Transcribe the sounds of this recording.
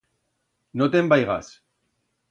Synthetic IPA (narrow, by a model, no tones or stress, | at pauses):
not̪embajɣa̰s